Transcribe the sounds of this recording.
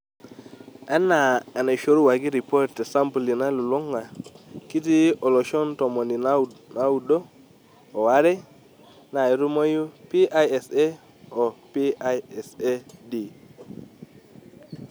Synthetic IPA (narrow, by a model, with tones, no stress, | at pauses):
ɛ˦na˨ɛ˨ne˨ʃo˦ɾu˦wa˨ɡi˦ɾi˨pɔ˦ɾte˨sa˦mpli˨na˦lu˨lo˦ŋa˨ki˦ti˦ɔ˨lɔ˨ʃɔ˦ntɔ˨mɔ˨ni˨na˦na˨˦u˨do˦ | ɔ˨wa˦ɾe˦ | na˨i˨ɾu˦mo˦ju˦pi˦a˦jɛ˨se˦ | ɔ˨pi˦a˦ɛ˨se˦di˨